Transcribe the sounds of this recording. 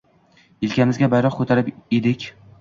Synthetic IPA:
ɪlkʲamɪzɡʲabajɾɒqkʰɵt̪ʰaɾɪped̪ɪkʲ

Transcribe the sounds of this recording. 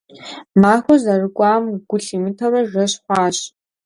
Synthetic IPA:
maːxʷɐzɐrɨkʷʼaːmɡ̥ʷʊɬimɨtʰɐrɐʐɐɕħʷaːɕ

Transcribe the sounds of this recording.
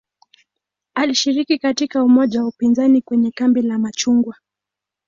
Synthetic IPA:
aliʃiɾikikatikaumɔʄawaupinzanikwɛɲɛkambilamat͡ʃuŋɡwa

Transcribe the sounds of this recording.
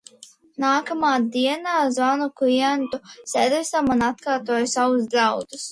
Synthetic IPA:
naːkamaːd̪iɛnaːzvanukliɛnt̪usɛd̪ɾɛsamunat̪kaːɾt̪uɔjusavuzd̪zawd̪us

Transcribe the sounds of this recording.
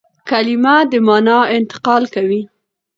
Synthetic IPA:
kalimad̪əmɑnɑɪnt̪ɪ̥qɑlkawi

